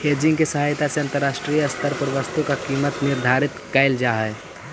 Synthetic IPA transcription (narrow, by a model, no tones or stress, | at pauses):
hʰeːd͡ʒɪ̃ŋɡkesəɦaːjt̪aseɐ̃nt̪əɾːaːʃʈɾiːjɐst̪ʰəɾpəɾʋəst̪ukakiːmət̪nɪɾd̪ʱaːɾɪt̪kəɪld͡ʒaːɦɛː